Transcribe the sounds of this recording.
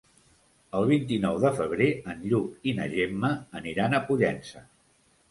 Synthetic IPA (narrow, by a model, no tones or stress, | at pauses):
əlˠβ̞int̪inɔwðəfəβ̞ɾeənʎukinə̰ʒemːəːniɾanəpuʎɛnsə